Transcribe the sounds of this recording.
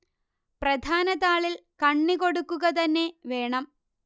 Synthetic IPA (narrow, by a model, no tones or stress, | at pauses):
prɐd̪ʱaːnɐðaːɭilkɐɳːiko̞ɽukːuɣɐt̪ɐnːe̞ʋe̞ːɳɐm